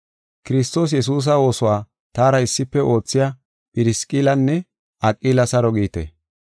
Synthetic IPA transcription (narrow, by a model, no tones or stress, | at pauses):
kɪɾɪst̪o̞ːs̬jɛs̬uːs̬ɐwo̞ːsɔwaː | t̪aːɾɐɪsːɪpːɛʔo̞ːt͡sːɪja | pʼɪɾɪskʼilɐnːɛ | ɐkʼːiːlɐsɐɾɔɡiːt̪ḛ